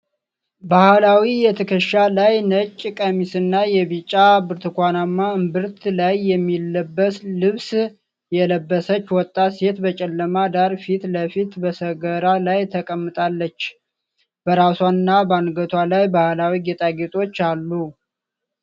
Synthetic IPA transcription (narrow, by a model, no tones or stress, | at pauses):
bahlawijɛt̪ʰɨkʰəʃalajnət͡ʃʼːkʼəmisɨnːajɛβit͡ʃʼːabɨɾt̪ʰɨkʷanamːaɨmbɨɾt̪ʰlajːɛmːilːəbːəslɨβs | jɛləbːəsət͡ʃːwɔt̪ʼːase̞t̪bət͡ʃʼɛlːəmad̪aɾfit̪ləfit̪bəsəɡəɾalajt̪ʰəkʼəmːɨt̪ʼalːət͡ʃː | b̥əɾaswanɨnːabəanɡət̪ʰwalajbahlawiɡet̪ʼaɡet̪ʼo̞t͡ʃːalːu